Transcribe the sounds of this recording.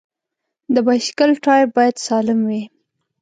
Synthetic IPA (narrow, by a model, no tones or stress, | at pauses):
d̪əbaʃkalʈɑj̚bɑjad̪sɑlɪmwi